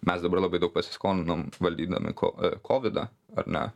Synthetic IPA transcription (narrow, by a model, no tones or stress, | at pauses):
mʲɛsd̪ɐbɐrlˠɐbɐɪd̪ɐʊk̚pɐsʲɪ̥skoːnʲɪnomʋɐlʲd̪ʲiːd̪ɐ̰mʲʔɪ̰kʰo̰kʰoːʋʲɪd̪ɐ̰ | ɐ̰ɾnʲɛ̰